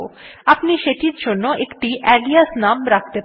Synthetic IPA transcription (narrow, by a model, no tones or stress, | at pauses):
oapniʃeʈiɾd͡ʑonːoʔekʈiʔɛliasnamɾak̚ʰt̪e